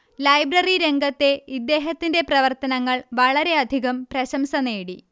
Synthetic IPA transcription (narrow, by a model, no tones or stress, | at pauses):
lɐjbrɐriɾe̞ŋɡɐt̪ːe̞id̪ːe̞ːɦɐt̪ːinde̞prɐʋɐrt̪ɐnɐŋːɐɭʋɐɭɐɾe̞ɐd̪ʱiɣɐmprɐɕɐmsɐneːɽi